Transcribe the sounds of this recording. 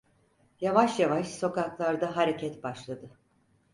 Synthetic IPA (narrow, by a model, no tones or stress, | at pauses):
javaʃjavaʃso̞kaklˠaɾd̪aɦaɾecʰɛt̪baʃlˠad̪ɯ